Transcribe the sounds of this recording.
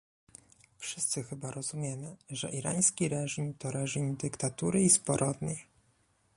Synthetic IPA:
fʂɘst̪sɘxɘbaɾɔzumʲjɛmɘʐɛʔiɾa̰j̃skʲiɾɛʐimt̪ɔɾɛʐimd̪ɘkt̪at̪uɾɘispɔɾʔɔd̪ɲʲej

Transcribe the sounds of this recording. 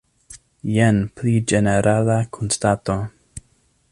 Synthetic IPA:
jenplid͡ʒeneɾʔalakʰonstato

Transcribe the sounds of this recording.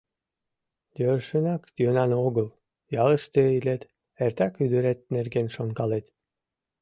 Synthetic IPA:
d̪øʃənɑkt̪ʲønɑnoɣəl | jɑləʃt̪eilet̪ | ert̪ækyd̪yɾet̪̚nerɡenʃonkɑlet̪

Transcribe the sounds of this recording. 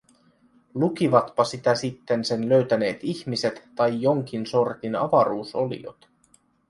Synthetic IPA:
luk̟iʋɑt̪pɑsit̪æsit̪ːe̞nse̞nløɥt̪æne̞ːt̪içmise̞t̪ːɑjjo̞ŋk̟inso̞rt̪inɑ̰ʋɑɾuːso̞lḭo̞̰t̪

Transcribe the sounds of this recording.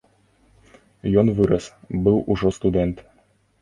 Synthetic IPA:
jɔnvɨɾɐsbɨwˠʔuʐɔst̪ud̪ʲɛnt̪

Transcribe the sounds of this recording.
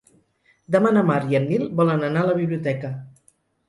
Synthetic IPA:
d̪əmanəmaɾjənːilˠbɔlənənaləβiβliut̪ɛkə

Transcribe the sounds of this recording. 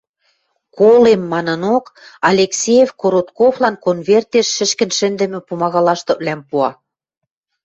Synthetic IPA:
kolemːɑnɤ̆nokɑlʲeksʲejefkoɾot̪koβlɑnkonβert̪eʃːɘ̆ʃkɘ̆nʃɘ̆nd̪ɘ̆mɘ̆pumɑɣɑlɑʃt̪ɤ̆βlæmpuɑ

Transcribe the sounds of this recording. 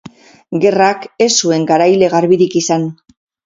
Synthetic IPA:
ɡe̞rake̞sue̞ŋɡaɾajle̞ɣ̞aɾβiɾikisan

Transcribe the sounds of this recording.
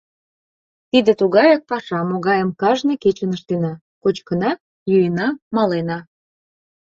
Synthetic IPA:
t̪id̪ĕt̪uɣɑjɑk̚pɑʃɑmoɣɑjəmkɑʒnɤket͡ɕənəʃt̪enɑ | kot͡ɕkənɑ | jujənɑmɑlenɑ

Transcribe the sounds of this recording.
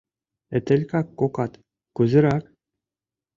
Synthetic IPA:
ɘ̆t̪ʲɘ̆lʲkɑkːokɑt̪ | kuzɤ̆ɾɑk

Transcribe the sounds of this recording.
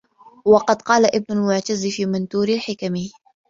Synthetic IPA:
wɑqɑd̪qɑːlaʔɪb̚nʊlmʊʕt̪azfiːmant̪uːɾɪlħɪkami

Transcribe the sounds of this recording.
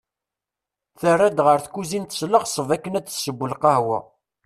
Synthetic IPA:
θərːæd̪ʁəɾθkuzint̪ə̥sləχsˤəvækːənæt͡ssəbːəlqɑhwæ̰

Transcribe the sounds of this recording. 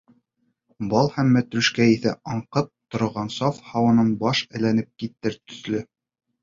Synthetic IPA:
bɑlˠhæmːæt̪ɾʉʃkæiθæ̰ʔɑɴqɤp̚t̪ŏɾŏʁɑnsɑfhɑwɤ̆nɤɴbɑʃɘ̆lænɘp̚kit̪ːɘɾt̪ɵ̆θlɘ

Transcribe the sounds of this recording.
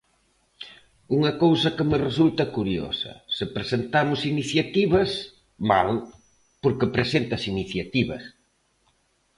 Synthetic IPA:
uŋɐkowsɐkɪmɪresult̪ɐkuɾjo̰sɐ̰sɪpɾesent̪amʊsiniθjat̪iβɐs | ma̰l | poɾkɪpɾesent̪ɐsiniθjat̪iβɐ̰s

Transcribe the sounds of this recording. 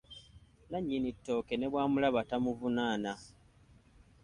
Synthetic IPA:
naɲːinitːo̞ːkene̞βwaːmulaβatamuvunaːna

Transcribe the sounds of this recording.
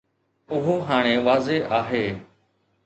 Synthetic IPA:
ʊɦoɦaːɽ̃ẽːʋaːzeʔaːɦeː

